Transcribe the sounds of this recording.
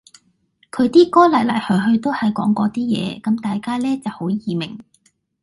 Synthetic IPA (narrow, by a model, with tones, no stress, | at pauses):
kʰɵ˨˧ɥt̪iː˥kɔː˥lɐ˨˩lɐ̰˨˩jhœː˨˩jɦɵ˧ɥt̪o˥whɐ˨jkɔ̰ː˨˥ŋkɔː˨˧t̪iː˥jɛ̰ː˨˧kɐ˨˥mt̪aː˨jkaː˥lɛː˥t͡sɐ˨who˨˥wjiː˨mɪ˨˩ŋ